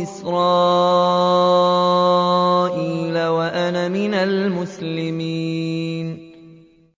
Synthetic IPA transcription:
ɪsɾɑː | ʔiːlawaʔanamɪnalmʊslɪmiːn

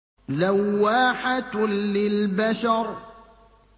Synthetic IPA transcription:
lawːaːħat̪lɪlbaʃɑɾˤ

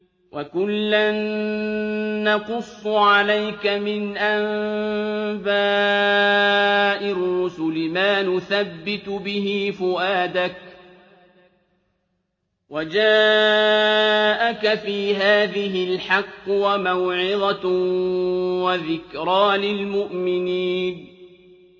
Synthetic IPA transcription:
wʔakʊlːan | ɑqʊsˤːʕalajkamɪnʔam | baː | ʔɪrːʊsʊlɪmaːnʊθabːɪt̪bɪɦiːfʊʔaːd̪ak̚ | wad͡ʒaː | ʔakafiːɦaːðɪɦɪlħɑqːwamawʕɪðˤa | waðɪkɾɑːlɪlmʊʔmɪniːn

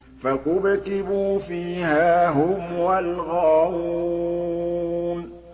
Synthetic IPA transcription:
faqʊbk̪ɪbuːfiːhaːɦʊmwalɣaːhu | n

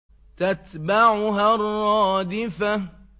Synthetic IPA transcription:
t̪at̪baʕʊɦarɑːd̪ɪfa

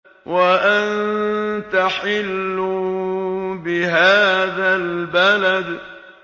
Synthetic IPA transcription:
waʔant̪aħɪlːʊ | bɪɦaːðalbalad̪

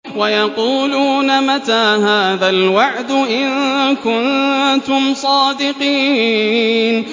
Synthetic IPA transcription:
wajɑquːluːnamat̪aːɦaːðalwaʕd̪ʊʔɪŋkʊnt̪ʊmsˤɑːd̪ɪqiː | n

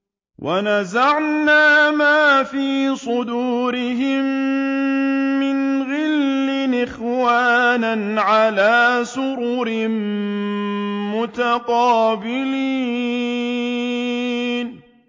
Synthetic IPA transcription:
wʔanazaʕnaːmaːfiːsˤʊd̪uːɾɪɦɪm | ɪnɣɪlːɪnɪxwaːnanʕalaːsʊɾuːɾɪm | mʊt̪aqɑːbɪliː | n

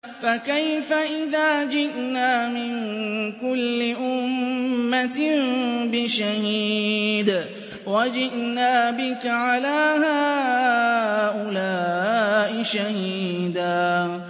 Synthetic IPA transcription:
fakajfaʔɪðaːd͡ʒɪʔnaːmɪŋkʊlːɪʔʊmmːat̪ɪmbɪʃahiːd̪ | wad͡ʒɪʔnaːbɪkaʕalaːha | ʔʊlaːʔɪʃahiː | d̪aː

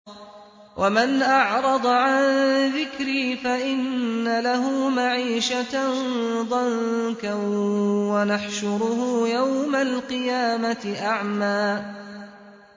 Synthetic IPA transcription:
wʔamanʔɑʕɾˤɑd̪ˤɑʕanðɪkɾiːfaʔɪnːalaɦuːmaʕiːʃat̪ | ðˤɑnka | wanaħʃʊɾʊhʊːjawmalqɨjaːmat̪ɪʔaʕmaː

